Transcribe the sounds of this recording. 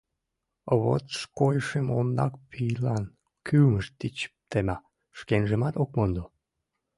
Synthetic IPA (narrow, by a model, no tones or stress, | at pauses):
βo̰t̪ʃkojʃemond̪ɑ̰k̚pʰijlɑn | kʰyməʃt̪ːit͡ɕə̥p̚t̪emɑ | ʃkenʒəmɑt̪okmond̪o